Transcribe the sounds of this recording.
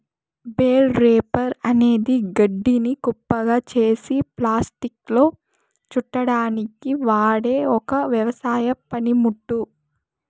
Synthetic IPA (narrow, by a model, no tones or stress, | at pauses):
beːlɾeːpɐɾɐne̞ːd̪iɡɐɖːinikupːɐɡaːt͡ʃe̞ːsiplaːsʈiklo̞ː | t͡ʃuʈːɐɽaːnikiʋaːɽe̞ːɔkɐʋjɐʋɐsaːjɐpɐnimuʈːu